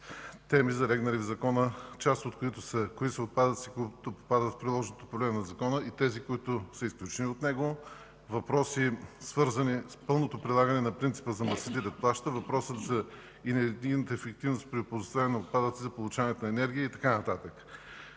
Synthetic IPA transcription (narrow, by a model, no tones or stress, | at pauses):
t̪ɛmizɐɾɛɡnɐlʲivzɐkɔnət͡ʃast̪ot̪koit̪ʊsəkoisɐot̪̚pad̪ət̪si̥kt̪opopad̪ət̪fpɾilˠɔʒnot̪o̥pɾoblɛmnɐzɐkɔnəit̪ɛzikoit̪ʊsəisklʲut͡ʃɛniot̪nɛɡo | vɐpɾɔsisvɤɾzɐnispɤlˠnot̪opɾilˠaɡɐnɛnɐpɾint̪si̥pəzɐmɐsit̪iɾɛt̪̚plˠaʃt̪əvɐpɾɔsət̪zɐ | inɛd̪inət̪əɛfɛk̚t̪ivnospɾiopozost̪avɛnɐot̪̚pad̪ət̪sizɐpolˠʊt͡ʃavɐnɛt̪onɐɛnɛɾɡʲijəit̪ɐkanɐt̪at̪ək